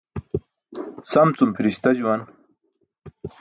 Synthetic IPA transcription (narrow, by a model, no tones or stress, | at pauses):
sɐmt͡sumpʰiɾiɕt̪ad͡ʑuwan